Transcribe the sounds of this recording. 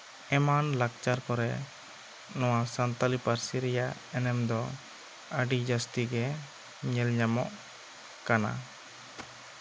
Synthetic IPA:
ɛmanlak̚t͡ʃaɾkɔɾɛ | nɔwasant̪alipaɾsiɾɛja | ɛnɛmd̪ɔ | əɖid͡ʒast̪iɡɛ | ɲɛlɲamɔʔ | kana̰

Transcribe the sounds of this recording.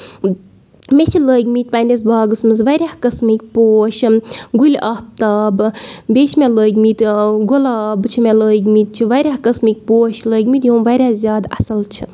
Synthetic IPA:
mʲet͡ʃʰiləːɡʲmiːt̪̚ʲpaːnʲes̬baːɡɨsmɨzʋɐɾʲahkɐsmik̚ʲpoːʃɡulʲahp̚t̪aːbbʲeːt͡ʃʰmʲeləːɡʲmit̪ɡulaːbt͡ʃʰimʲeləːɡʲmit̪̚t͡ʃʰiʋɐɾʲaːhkɐsmik̚ʲpoːʃləːɡʲmit̪joːmʋɐːɾʲaːzʲjaːd̪ɐ̰sɐlt͡ʃʰi̥

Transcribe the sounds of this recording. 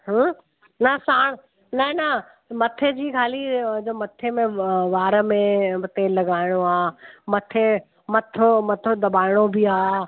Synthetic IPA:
ɦə̃ː | nɐsaːɽ̃ | nɐ̃nɐ | mɐt̪ʰed͡ʑiːkʰaːlid͡ʑoːmɐt̪ʰemẽʋaːɾəmẽmɐt̪ʰelɐɡaːɪɽ̃oaːmɐt̪ʰe | mɐt̪ʰomɐt̪ʰod̪ɐbaːɪɽ̃obʱiaː

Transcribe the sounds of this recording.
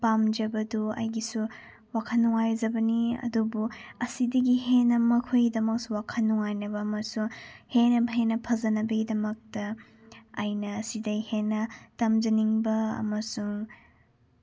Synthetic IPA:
pamd͡ʒɐbɐduɐ̰jɡisu | wakʰɐnːuŋajd͡ʒɐbɐniɐ̰dubuɐsidɐɡiɦenːɐmɐkʰojɡidɐmɐk̚suwakʰɐnːuŋajnɐbɐːmɐsuŋhenɐbɐɦenːɐpʰɐzɐnɐbɐɡidɐmɐk̚tɐː | jnɐːsidɐɡihenːɐtɐmd͡ʒɐniŋbɐɐ̰mɐsuŋ

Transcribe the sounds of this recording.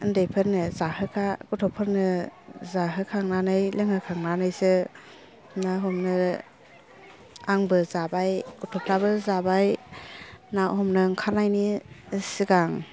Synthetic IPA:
ɯndejpʰɯɾnɯzahɯkʰaɡutʰɔpʰɯɾnɯzaɦɯkʰaŋnanɯjlɯŋhɯkʰaŋnanɯjsɯ | naɦɔmnɯ | aŋbɯzabajɡutʰɔpʰɾabɯzabaj | nahɔmnɯŋkʰaɾnajnisiɡaŋ

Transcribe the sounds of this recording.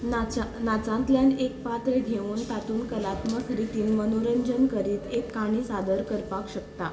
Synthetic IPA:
nat͡sãnt̪ljanek̚pat̪ɾeɡʱeuːnt̪at̪uːnkəlat̪məsɾit̪iːnmənoɾəɲd͡ʑənkəɾiːt̪ekːaɽ̃iːsad̪əɾkəɾpakɕəkt̪a

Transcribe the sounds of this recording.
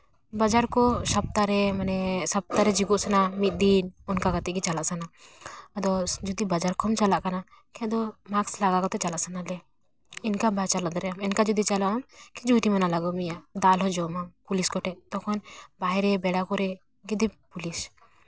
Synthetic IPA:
bad͡ʒaɾkɔsap̚t̪aɾɛmanɛsab̚t̪aɾɛd͡ʒiɡɔʔsanamit̪̚ˀd̪inɔnkakat̪ɛkit͡ʃalaʔsana | d̪ɔd͡ʒɔd̪ibad͡ʒaɾkɔmt͡ʃalaʔkana | kʰɛd̪ɔmakslaɡakɔt̪ɛt͡ʃalaʔsanalɛ | inkabat͡ʃalɔd̪ɔɾɛamɛnkad͡ʒɔd̪it͡ʃalɔʔɔmkid͡ʒuʈimɛnalaɡɔmijaʔd̪alɦɔd͡ʒɔmampuliskɔʈɛʔt̪ɔkʰɔnbaɦɛɾɛbɛɽakɔɾɛ | ɡid̪ipulis

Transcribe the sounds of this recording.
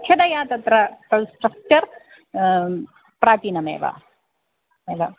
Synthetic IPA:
ʃʰɐnɐjaːt̪ɐt̪ɾɐt̪ɐlsʈɾɐk̚t͡ʃɐɾ | pɾaːt̪iːnɐmḛːʋa̰ | eːlɐ

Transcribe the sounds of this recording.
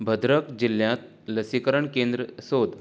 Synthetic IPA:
bʱəd̪ɾəkd͡ʑiljãt̪̚ | ləsikəɾəɳkend̪ɾəsod̪

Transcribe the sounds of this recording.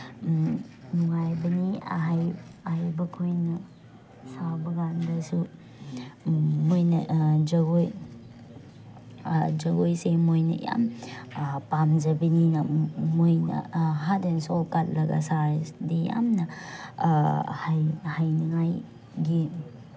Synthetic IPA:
nuŋajbɐniɦajajbɐkʰojnɐ | sawbɐɡandɐsu | mojnɐd͡ʒɐɡoj | d͡ʒɐɡojsemojnɐ̰ja̰m | pamd͡ʒɐbininɐmojnɐ̰ɦadensokat̚lɐɡɐ̰saɾsdija̰mnɐ | hajhajniŋaj | ɡi

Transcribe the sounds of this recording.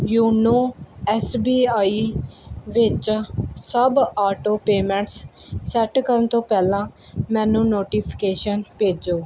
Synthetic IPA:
juːnoːɛːsbiːaːiːʋɪt͡ʃsəbaːʈoːpeːmɛ̃ːɳʈsːɛʈkəɾənt̪õːpɛːlãː | mɛ̃ːnũːnoːʈiːpʰɪ̥keːʃənpeːd͡ʒoː

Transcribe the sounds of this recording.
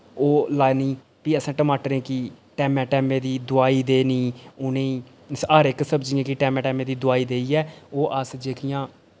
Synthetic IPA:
oːlaːeniː | piːəsãːʈəmaːʈəɾẽːki | ʈɛːmɛ̃ːʈɛːmẽːd̪iːd̪ʊaːiːd̪eːniːʊnẽiː | səːɾɪksəbd͡ʒɪjãːkiʈɛːmɛ̃ːʈɛːmẽːd̪iːd̪ʊaːiːd̪eːiːɛːoːʔəsd͡ʒeːkɪjãː

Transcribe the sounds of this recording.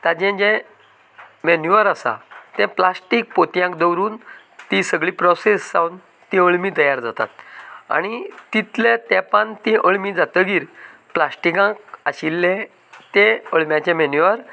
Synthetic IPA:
t̪ãd͡ʑɛ̃d͡ʑɛ̃ | mɛnjuʋəɾasa̰t̪ɛ̃plasʈik̚pot̪jãkd̪əwɾuːn | t̪ĩsəɡɭiːpɾɔsesːawn | t̪ĩəɭmiːt̪əjaɾd͡zat̪a̰t̪̚a̰ɽ̃it̪it̪let̪ɛ̃pənt̪ĩʔəɭmid͡zat̪əɡiːɾ | plasʈikãk̚aɕilːɛ̃ | t̪ɛ̃əɭmjat͡ɕɛ̃mɛnjuʋəɾ

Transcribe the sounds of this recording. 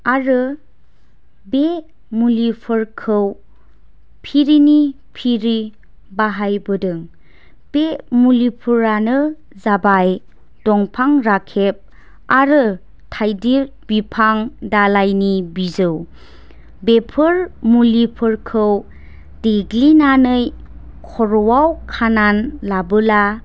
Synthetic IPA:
aɾɯ | be | mulipʰɯɾkʰɯw | pʰiɾini | pʰiɾi | baɦajbɯdɯŋ | b̥emulipʰuɾanɯ | zabaj | d̥ɔŋpʰaŋɾakʰep̚ | aɾɯ | tʰajdiɾbipʰaŋdalajnibizɯw | bepʰɯɾmulipʰɯɾkʰɯw | deɡlinanɯj | kʰɔɾɔwawkʰananlabɯla

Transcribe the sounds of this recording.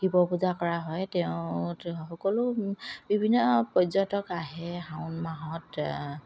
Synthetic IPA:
ɡ̥ibɔpuzakɔɹaɦɔjtɛʊ̃xɔkɔlʊbibʱinːɔpɔzɔntɔkaɦɛɦawʊnmaɦɔt

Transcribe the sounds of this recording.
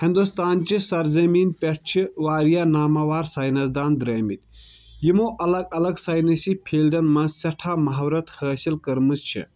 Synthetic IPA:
hĩnd̪ust̪aːnt͡ʃisɐɾzɐmiːnpʲeʈ̚ʰt͡ʃʰiʋaːɾijaːnaːmaːʋaːɾsaːjnɐsd̪aːnd̪ɾeːmit̪ | jimoːʔɐlɐɡɐlɐɡsaːjnɐsipʰiːlɖɐnmɐnzsɐʈʰaːmɐɦɐwɾɐt̪həːsilkɐɾmɨst͡ʃʰḭ

